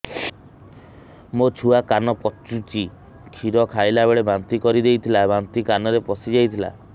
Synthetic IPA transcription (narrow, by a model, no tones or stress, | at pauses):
mot͡ʃʰuakanɔpɔt͡ʃut͡ʃʰi | kʰiɾɔkʰajlabeɭebant̪ikɔɾid̪ejt̪ʰilabant̪ikanɔɾepɔsid͡ʒajt̪ʰila̰